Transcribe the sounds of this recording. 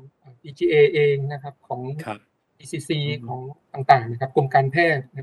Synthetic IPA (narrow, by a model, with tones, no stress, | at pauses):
ʔaː˨˩piː˧t͡ɕ̪ʰiː˧ʔeː˧ʔeː˧ŋna˦˥kʰa˦˥p̚kʰɔː˩˦ŋ | ʔiː˧siː˧siː˧kʰɔː˩˦ŋt̪aː˨˩ŋt̪aː˨˩ŋna˦˥kʰa˦˥p̚ko˧mkaː˧npʰɛː˥˩t̪̚na˦˥